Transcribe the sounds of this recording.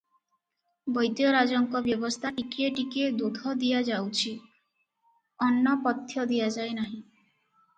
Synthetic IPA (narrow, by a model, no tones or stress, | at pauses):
bɔjd̪jɔɾad͡ʒɔŋkɔbjɔbɔst̪ʰaʈikieʈikied̪ud̪ʱɔd̪ijad͡ʒawt͡ʃʰi | ɔnːɔpɔt̪ʰjɔd̪ijad͡ʒaejnaɦĩ